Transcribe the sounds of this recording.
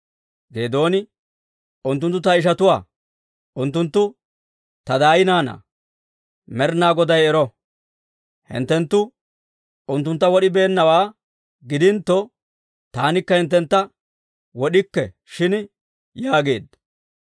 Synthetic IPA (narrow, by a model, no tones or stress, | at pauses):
ɡe̞ːd̪o̞ːnɪ | ʊnt̪ːʊnt̪ːʊt̪ɐɪʃ̬ɐt̪ʊwa̰ː | ʔʊnt̪ːʊnt̪ːʊ | t̪ɐd̪aːjɪnaːnɐ̰ | mɛɾnaːɡɔd̪ɐjɛɾɔ | hɪ̰nt̪ːɛnt̪ːʊ | ʊnt̪ːʊnt̪ːɐwɔɗɪbe̞ːnːɐwaː | ɡɪd̪ɪnt̪ːɔ | t̪aːnɪkːɐhɪnt̪ːɛnt̪ːɐ | wɔɗɪkːɛ | ʃɪn | jaːɡe̞̰ːd̪ɐ